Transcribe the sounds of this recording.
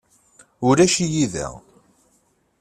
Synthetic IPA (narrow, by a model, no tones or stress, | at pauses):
ʊɾæʃijiðæ̰